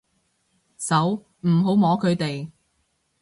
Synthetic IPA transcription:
sɐ˨˥w | m̩˨˩ɦo˨˥wmɔː˨˧˥kʰɵ˨˧ɥt̪e˨j

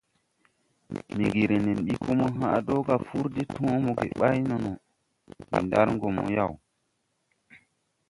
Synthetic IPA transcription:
mi˨ɡi˨ɾe˨ne˨nɗi˦kʰo˦mo˦ɦa˦˨do˦ka˨fu˦ɾdi˦tũ˦mo˨ɡḛ˨ɓa˦jno˨no˨ | mḭ˨nda̰˦ɾŋɡo˨mo̰˨ja˦˨w

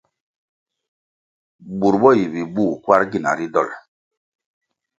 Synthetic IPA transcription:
bu˨ɾbɔ˦ji˨bi˨buː˦˨kwa˦ɾɡi˨na̰˨ɾi˦dɔ̰˦˨l

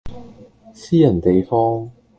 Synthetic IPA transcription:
siː˥jɐ˨˩nt̪e˨jfɔː˥ŋ

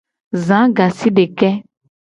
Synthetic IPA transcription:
zã˨˦ɡa˨si˦ɖe˨kɛ˦

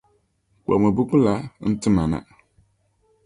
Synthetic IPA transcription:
kʷa̰˨mə˨bu˦ku˦la˨n̩˦tɨ˦ma˨na̰˨

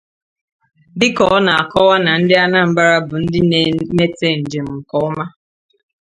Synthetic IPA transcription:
bɪ˦kɔ˨˦na˨a˨kɔ˦wa˦na˨n̩˦dɪ˦a˦na˦m̩˦ba˦ɾa˦bʊ˨n̩˦dɪ˦ne˦me˦te˦˨n̩˨d͡ʒe˨m̩˨ŋ̩˨kɔ˦ʊ˦ma˦

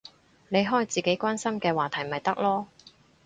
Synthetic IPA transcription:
ne˨˧jɦɔː˥jt͡siː˨ke˨˥jkʷaː˥nsɐ˥mkɛː˧waː˨˩t̪ʰɐ˨˩jmɐ˨jt̪ɐ˥k̚lɔː˥

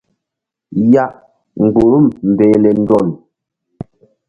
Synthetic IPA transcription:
ja˦˨ʔ | ŋ̩˨ɡ͡bo˨ɾu˦˨mm̩˨bɛː˨lɛ˨n̩˦dɔ˦˨l

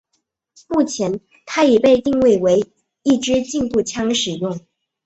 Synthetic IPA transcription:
mu˥˩t͡ɕʰjɛ˧˥n | t̪ʰa˥i˨˩pe˥˧ɪt̪i˥˧ŋwe˥˩ɪwe˧˥ɪ | i˥˩ʈ͡ʂɻ̩˥t͡ɕi˥˧npu˥˩t͡ɕʰjɑ˥ŋʂɻ̩˨˩jʊ˥˩ŋ

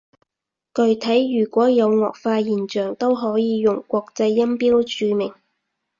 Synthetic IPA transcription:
kɵ˨˧ɥt̪ʰɐ˨˥jːyː˨˩kʷɔː˨˥jɐ˨˧wŋɔː˨k̚faː˧jiː˨˩nt͡ʃœː˨˩ŋt̪o˥wɦɔː˨˥jiː˨˧jʊ˨ŋkʷɔː˧k̚t͡sɐ˧jːɐ˥mpiː˥wt͡ʃyː˨˧mɪ˨˩ŋ

